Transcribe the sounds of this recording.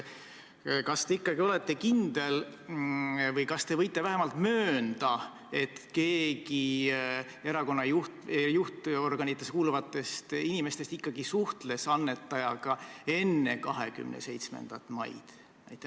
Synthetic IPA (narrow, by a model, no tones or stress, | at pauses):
kɑst̪e̞ikːɑɡio̞let̪ˑːe̞kind̪̥e̞l | vɤjkɑst̪e̞vɤjt̪ˑːe̞væɦemɑlt̪møːnd̪̥ɑ | e̞t̪ke̞ːɡi | e̞ɾɑko̞nːɑjuht̪juht̪o̞rɡ̥ɑnʲit̪ˑːeskuːluvɑt̪ːˑe̞st̪inime̞st̪est̪ikːɑɡisuht̪le̞sɑnːe̞t̪ːˑɑjɑɡ̥ɑe̞nːe̞kɑɦe̞̰ky̰mnḛse̞jt̪smḛnd̪̥ɑt̪ːˑmɑ̰jd̪̥ | næ̰jt̪ːˑe